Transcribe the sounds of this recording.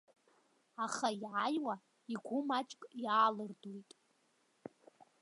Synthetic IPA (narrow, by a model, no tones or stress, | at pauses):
aχaiʕajwa | iɡʷʊmat͡ʃʼkʼjaːlɨrdujtʼ